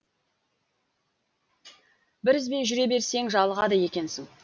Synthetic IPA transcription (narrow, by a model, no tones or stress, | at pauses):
bɪɾɪzbe̞nʒʏɾe̞be̞ɾse̞ŋʒɑlˠəʁɑd̪əje̞kʲe̞nsɪŋ